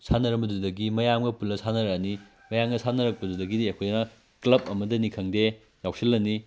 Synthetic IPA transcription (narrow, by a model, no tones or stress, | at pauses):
sʰanɐɾɐmbɐdudɐɡimɐjamɡɐpulɐsanɐɾɐːni | mɐjamɡɐsanɐɾɐk̚pɐdudɐɡidiɐkʰojnɐ | klɐbɐmɐdɐnikʰɐŋde | jawsilːɐni